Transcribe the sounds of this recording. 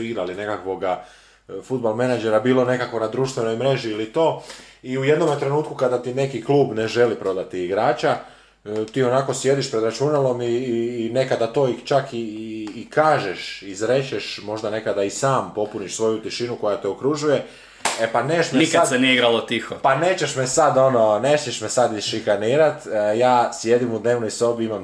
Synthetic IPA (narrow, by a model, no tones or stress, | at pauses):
iɡɾaline̞kakʋo̞ɡa | fud̪̚balmenad͡ʒe̞ɾabiːlˠo̞ne̞kakʋo̞nad̪ɾuːʃt̪ʋe̞no̞jmɾe̞ʒiːlit̪o̞ːiuje̞d̪no̞met̪ɾe̞nuːt̪kukad̪at̪ine̞kikluːbne̞ʒe̞lipɾo̞d̪at̪iːɡɾaːt͡ʃa | t̪iːo̞nako̞sje̞d̪iʃpɾe̞d̪ɾat͡ʃunalo̞miːne̞kad̪at̪o̞ːit͡ʃakiːkaːʒeʃizɾe̞t͡ɕeʃmo̞ʒd̪ane̞kad̪aisaːmpo̞puniʃsʋo̞jut̪iʃinuko̞jat̪eokɾuʒuje̞ | epaneʃmeniskaad̪senijeiɡɾalot̪ixopane̞ːt͡ɕeʃmesad̪o̞no̞nesɲeʃmesad̪izʃikaniːɾat̪jaːsje̞d̪imud̪ne̞ːʋnojso̞biimam